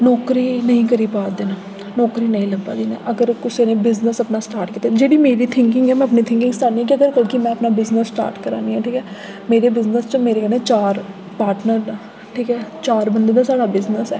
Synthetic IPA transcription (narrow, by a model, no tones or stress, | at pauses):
nɔːkɾiːnəɦĩːkəɾiːpaːɾd̪eːnaː | nɔːkɾiːnəɦĩːləbːa̰ːd̪iːnɛ̰ʔəɡəɾkʊseːnẽːbɪznəsəpnaːsʈaːɾʈkiːt̪ːed͡ʒeːɽiːmeːɾiːt̪ʰɪ̃ŋkɪ̃ŋɡɛːmɛ̃ːəpnit̪ʰɪ̃ŋkɪ̃ŋɡst̪aːniːɛːk̬iəɡəɾkəlkimɛ̃ːəpnaːbɪznəsːʈa̰ːɾʈkəɾa̰ːniːãːʈʰiːkɛː | meːɾeːbɪznəst͡ʃəmeːɾeːkəẽːt͡ʃaːɾ | paːɾʈnəɾnaː | ʈʰiːkɛːt͡ʃaːɾbənd̪eːd̪aːsaːɽaːbɪznəsɛː